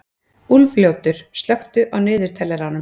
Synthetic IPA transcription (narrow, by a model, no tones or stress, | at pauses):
ulvljoːwt̪ʏɾ̥st̪lœxt̪ʏʔawnɪːðʏɾ̥t̪ʰɛlːɛɾanːʏ